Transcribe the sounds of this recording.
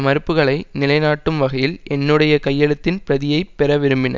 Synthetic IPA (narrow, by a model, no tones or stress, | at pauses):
mɐɾɯpːɯɣɐɭɐɪnɪlɐɪnaːʈːɯmʋɐɣɐjɪlʔɛnːɯɽɐjɐkɐjːɐɭɯt̪ːɪnpɪɾɐðɪjɐɪpːɛɾɐʋɪɾɯmbɪnɐ̰